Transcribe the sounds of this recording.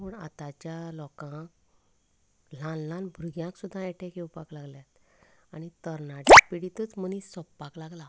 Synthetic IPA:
məɳa̰t̪at͡ɕjalɔkã | lãnlãnbʱɾuɡjãksud̪ʱːãɛʈʰẽkewpaklaɡljat̪aɽ̃it̪əɾnaʈipiɽit̪ət͡smənĩsɔpːaklaɡla

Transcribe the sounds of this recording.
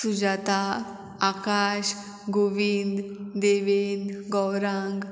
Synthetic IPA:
sud͡ʑat̪a | akaɕ | ɡoʋind̪d̪eʋend̪ɡɔwɾãŋɡ

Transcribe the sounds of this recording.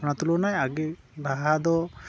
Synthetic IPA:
nat̪ulonajaɡe | daɦad̪ɔ

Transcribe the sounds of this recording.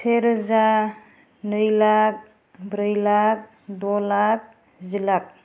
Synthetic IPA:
tʰeɾza | nɯjlak̚ | bɾɯjlak̚ | dɔlak̚ | zilak̚

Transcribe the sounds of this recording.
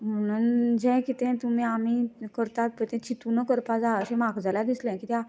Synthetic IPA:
m̤əɽ̃und͡ʑɛ̃kit̪ɛ̃t̪um̤iːamikəɾt̪at̪̚pət̪ɛ̃t͡ɕʰit̪unəkəɾpad͡zaəɕẽmaɡd͡zalad̪islɛ̃kit̪ja

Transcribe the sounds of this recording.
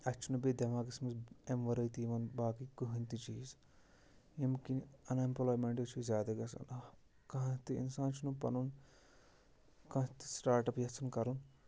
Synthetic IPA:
ɐt͡ʃʰːunubed̪ɐmaːkismisemʋɐɾɐjt̪iːmɐnbaːkikuɦɐnt̪it͡ʃiːz | emkinɐnɐmpɐlaːjmeɳʈɐt͡ʃʰuzʲjaːd̪ɐɡɐsɐ̰nɐ | kɐɦt̪iḭnsãːnt͡ʃʰunupɐnun | kɐ̃t̪i̥sʈaːɾʈɐpjɐt͡sʰunkɐɾun

